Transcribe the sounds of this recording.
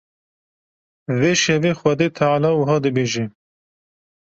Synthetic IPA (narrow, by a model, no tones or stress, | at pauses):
veːʃɛveːxʷɛd̪eːt̪ʰalɑːwəɦɑːd̪ɨbeːʒɛ